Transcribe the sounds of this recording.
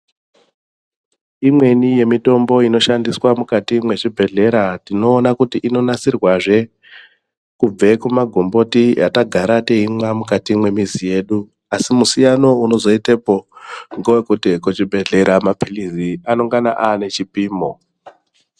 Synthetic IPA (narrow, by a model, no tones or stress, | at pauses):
imwe̞nije̞mito̞mbo̞ino̞ʃandiswamukatimwe̞t͡ʃibʱe̞ɮe̞ɾatino̞ːnakutiʔino̞nat͡sirwaʐe̞ | kub͡ve̞kumaɡʱombo̞tija̰taɡʱaɾate̞ɦimwamukatimwe̞mizije̞ɗu | asimusijano̞uno̞zo̞itepoŋɡowekutikot͡ʃibʱe̞ɮe̞ɾamapʰiliziano̞ŋɡana̰ʔane̞t͡ʃipiːmo